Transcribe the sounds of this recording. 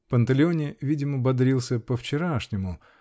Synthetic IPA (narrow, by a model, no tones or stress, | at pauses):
pənt̪əlʲɪonʲɪvʲidʲɪməbɐd̪ɾʲilˠsʲəpəft͡ɕɪɾaʂnʲɪmʊ